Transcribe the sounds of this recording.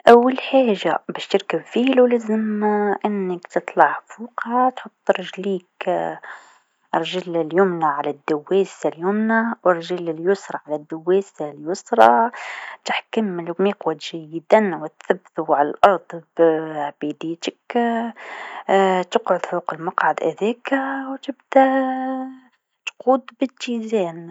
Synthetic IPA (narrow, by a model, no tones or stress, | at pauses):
ʔawːalħaːʒabæːʃt̪ɪɾkabfiːlulæzɪmʔɪnːɪkt̪ɨt̪ˤlɑʕfuːqhat̪ħʊt̪ˤːɾˤɪʒliːk | ʔɑɾˤʒɪlɪljʊmnaʕalad̪ːawːeːsaljʊmnawɑɾˤʒɪlɪljʊsɾˤɑʕalad̪ːawːeːsaljʊsɾˤɑt̪ɪħkamlmiːqwat̪ʒ̥æjːɪd̪anwɪt̪θabːθuʕalalʔɑɾˤd̪ˤbʕbid̪iːt̪ək | t̪əqʕʊd̪fuːqəlmɑqʕad̪ʔɪðɛːkwt̪ɪbd̪æ | t̪quːd̪bɪt̪ːizɛːn